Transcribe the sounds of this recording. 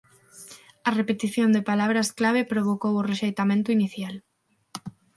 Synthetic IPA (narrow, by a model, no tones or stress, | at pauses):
ɐrepet̪iθjond̪epalaβ̞ɾasklaβ̞epɾoβ̞okoworeʃejt̪amẽnt̪ʊiniθjal